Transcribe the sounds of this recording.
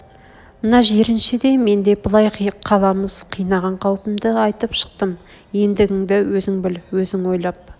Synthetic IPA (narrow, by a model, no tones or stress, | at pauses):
mənɑʒeɾɪnʃɪd̪e̞me̞nd̪e̞bəlˠɑjqʰqʰɑlˠɑməz̥qʰijnɑʁɑɴqʰɑwpəmd̪əɑjt̪əpʃə̥q̚t̪əm | je̞nd̪ɪɡʲɪŋd̪ɪwɵzɪŋbɪlwɵzɪŋwo̞jlˠɑp̚